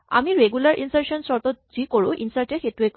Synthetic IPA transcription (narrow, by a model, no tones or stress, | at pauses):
a̰miɾeɡulaɾʔḭnseɾʃɔnsɔɾt̪od͡ʑikoɽuʔḭnsaɾʈexeʈuek